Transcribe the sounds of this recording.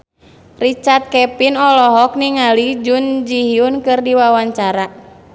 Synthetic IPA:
rit͡ʃart̪̚kɛpinɔlɔɦɔk̚niŋalid͡ʒund͡ʒiɦiunkɨrdiwawaɲt͡ʃaɾa

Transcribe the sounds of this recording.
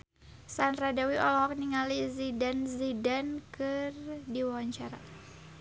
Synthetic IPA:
sanradawiʔɔlɔɦɔk̚niŋalizidanzidankɨrdiwaaɲt͡ʃaɾa

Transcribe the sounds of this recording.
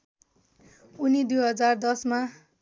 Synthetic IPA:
unid̪ujɦʌd͡zard̪ʌsma

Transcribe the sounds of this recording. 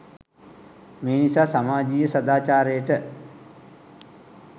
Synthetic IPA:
meːnisaːsamaːd͡ʒiːəsɐd̪aːt͡ʃaːɾejəʈə

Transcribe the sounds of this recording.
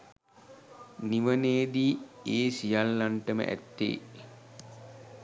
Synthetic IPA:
niʋəneːd̪ieːsijalːaɳʈəmə̰ʔæ̰t̪ːḛː

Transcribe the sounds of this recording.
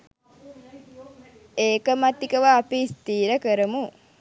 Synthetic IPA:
eːkəmat̪ikəʋaːpist̪iːɾəkəɾəmu

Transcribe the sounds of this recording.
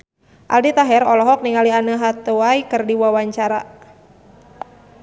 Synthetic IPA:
ʔa̰ldit̪aɦɛɾɔlɔɦɔk̚niŋalianəɦat̪uajkərdiwawaɲt͡ʃaɾa̰

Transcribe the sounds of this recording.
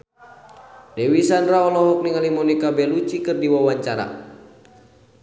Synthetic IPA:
dɛwisanraɔlɔɦɔk̚niŋalimɔnikabɛlut͡ʃikɨrdiwawaɲt͡ʃaɾa̰

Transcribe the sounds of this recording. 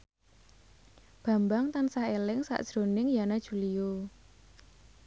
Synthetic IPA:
b̥ä̤mbaŋt̪ansaelɪŋsa̰ʔd̥ʒ̥ɾo̤nɪŋjanad̥ʒ̥ulijo

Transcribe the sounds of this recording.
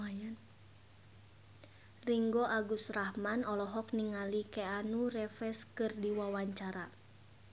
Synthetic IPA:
ajan | riŋɡɔʔaɡusrahmanɔlɔɦɔk̚niŋalikɛanurɛfɛskɨrdiwawaɲt͡ʃaɾa

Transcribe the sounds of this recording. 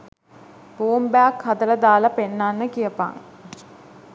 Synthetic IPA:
boːmbæakhat̪əɾəd̪aːlapenːanːəkijəpa̰ːŋ̰

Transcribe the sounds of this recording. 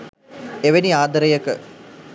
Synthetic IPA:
eʋeniaːd̪əɾəjəkə

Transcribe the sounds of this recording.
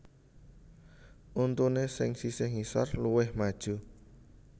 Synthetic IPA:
ʔunt̪unesɪŋsisɪŋisɔ̰rluwɪhmad̥ʒ̥ṳ

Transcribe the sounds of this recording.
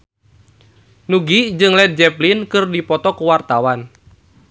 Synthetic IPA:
nuɡid͡ʒɨŋlɛd̪̚d͡ʒɛplinkɨrdipɔt̪ɔkuwart̪awan

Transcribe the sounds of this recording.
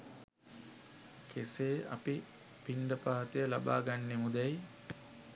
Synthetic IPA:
kʰeseːa̰pi | piɳɖəpaːt̪ejəlaba̰ːɡanːemud̪ɛj

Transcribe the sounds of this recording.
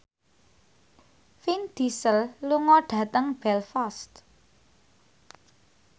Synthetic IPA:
find̪̥isəlluŋɔɖ̥ä̤t̪əŋb̥ɛlfast̪

